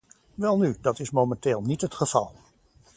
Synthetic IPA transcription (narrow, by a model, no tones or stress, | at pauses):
ʋɛlˠnydɑtɪsmomɛnteːlˠnitɦətχəv̥ɑlˠ